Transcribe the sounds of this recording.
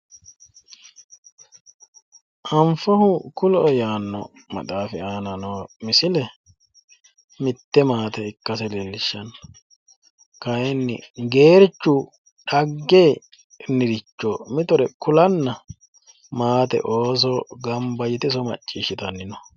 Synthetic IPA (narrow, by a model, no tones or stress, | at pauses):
ʔɐmfɔhʊkʊlɔjaːnːɔ̰ | mɐ̰t̪ʼaːfɪaːnɐnoːmɪsɪlɛ | mɪt̪ːɛmaːt̪ɛɪkːɐsɛlelːɪʃːɐn | kɐjɛnːɪ̰ɡe̞ːɾt͡ʃːʊ | ᶑɐɡːe | nɪɾɪt͡ʃːɔmɪt̪ɔɾɛkʊlɐnːɐ | maːt̪ɛ̰ʔoːs̬ɔɡɐmbɐjɪt̪ɪs̬ɔmɐ̰t͡ʃʼːiːʃɪt̪ɐnːɪnɔ